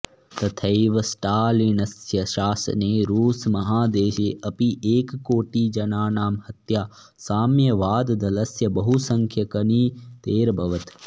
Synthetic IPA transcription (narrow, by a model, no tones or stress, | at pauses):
t̪ɐt̪ʰɐjʋɐsʈaːlinɐsjɐʃaːsɐ̰neːɾuːsmɐɦaːd̪eːʃeːʔɐpiʔeːkkoːʈiːd͡ʒɐnaːnaːmhɐt̪jaː | saːmjɐʋaːd̪d̪ɐlɐsjɐbɐɦusɐŋkʰjɐkɐniːt̪eːɾbʱɐʋɐt̪